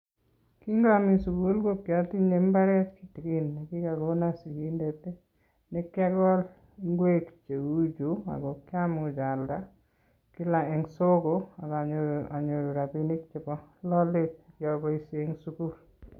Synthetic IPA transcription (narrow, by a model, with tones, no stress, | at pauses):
ki˦ŋɡami˨su˨ku˦lɡo˦kja˦ti˦ɲe˨mba˦ɾɛ˦tki˦ti˨ki˦nːe˨ki˦ka˨ɡo˦na˦si˨ki˦nde˨te˦ | ne˦ka˦ɡɔ˦l | ŋɡwe˦kt͡ʃe˨u˦d͡ʒu˨a̰˨ɡɔ˨ka˦mʊ˨d͡ʒa˨lda | kɪ˦la˨ɛ˨ŋso˦ɡo˨a˨ɡa˨ɲoa˨ɲo˨ɾo˨ɾa˨pi˦ni˦kt͡ʃe˨pɔ˦lɔ˦lɪ˦t̚kjɔ˨bɔ˦i˨se˦ŋsuku˦l